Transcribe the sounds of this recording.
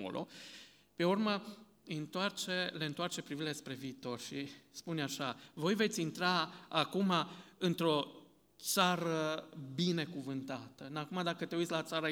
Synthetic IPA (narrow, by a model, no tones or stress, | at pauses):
o̰lʔo̰ | pe̞urma | ɨnt̪oart͡ʃe̞le̞ɨnt̪oart͡ʃe̞pɾivilespɾe̞viːt̪o̞rʃispunaʃavo̞jve̞t̪sʲint̪ɾaakumaɨnt̪ɾo̞ | t̪saɾəbine̞kuvɨnt̪at̪ənakumad̪akət̪e̞uit̪sʲlat̪saɾa